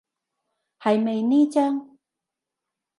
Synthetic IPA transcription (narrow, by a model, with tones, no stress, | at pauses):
hɐ˨jme˨jniː˥t͡ɕa˥ŋ